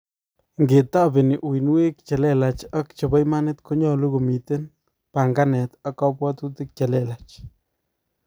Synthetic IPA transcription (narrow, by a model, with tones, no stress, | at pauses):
ŋɡe˨t̪a˦bɪ˨nɪ˨ʔwi˨nwe˦k̚t͡ʃa˨le˦la˨t͡ʃa˦kt͡ʃa˨ba˦jma˦nɪ˦t̪kʰo˦ɲɔ˦lu˦ɡo˨mi˨t̪e˦n | pa˨ŋɡa˦nɛ˨t̪a˦ka˦pwa˦t̪u˦t̪ɪ˦k̚t͡ʃa˨lɛ˦la˨t͡ʃ